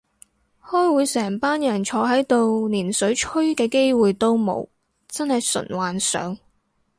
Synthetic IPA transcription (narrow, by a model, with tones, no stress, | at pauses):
hɔː˥jwuː˨˧jsɛː˨˩ŋpaː˥njɐ˨˩nt͡ʃʰɔː˨˧ɦɐ˨˥jt̪o˨˧wniː˨˩nsɵ˨˥ɥt͡ʃʰɵ˥ɥkɛː˧ke˥jwuː˨jt̪o˥wmo̰˨˥w | t͡sɐ˥nhɐ˨jsɵ̰˨˩nwaː˨nsœ̰ː˨˥ŋ